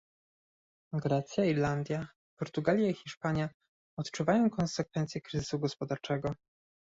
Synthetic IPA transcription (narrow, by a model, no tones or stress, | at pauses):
ɡɾɛt̪sʲjaiɾland̪ʲja | pɔɾt̪uɡalʲjaixʲiʂpaɲja | ɔt̪t͡ʂuvajɔ̃w̃kɔnsɛkfɛnt̪sʲjɛkɾɘzɘ̥suɡɔspɔd̪aɾt͡ʂɛɡɔ